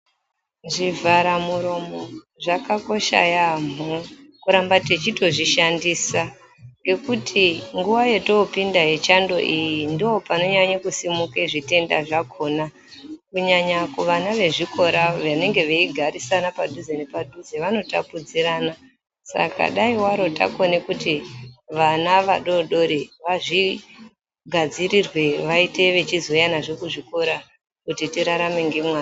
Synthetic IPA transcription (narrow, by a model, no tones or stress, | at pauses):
ʐivʱaɾamuɾo̞mo̞ | ʐakako̞ʃa̰jam̤okuɾambate̞t͡ʃito̞ʐiʃandiːsa | ŋɡe̞kutʰiŋɡuʋaje̞to̞pindaɦe̞t͡ʃando̞̰ʔijindio̞pano̞ɲaɲakusimukeʐite̞nda̰ʐakʰo̞ːna | kuɲaɲakuʋanaʋe̞ʐiko̞ɾaʋane̞ŋɡe̞ʋeiɡʱaɾisanapadʱuzenepadʱuzeʋano̞ta̰pud͡ziɾana | sa̰ka̰ɗaiwaɾo̞ta̰ko̞nekutiʋanaʋaɗo̞ɗo̞ɾiʋaʐi | ɡʱad͡ziɾirwe̞ʋaite̞ʋe̞t͡ʃizo̞janaʐe̞kuʐiko̞ɾa | kutitiɾaɾame̞ŋɡemwaːn